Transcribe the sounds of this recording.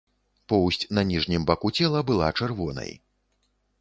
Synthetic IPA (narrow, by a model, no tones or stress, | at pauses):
pɔwsʲt͡sʲnɐnʲiʐnʲimbakut͡sʲɛlˠɐbɨlˠa̰t͡ʂɛrvɔnɐ̰j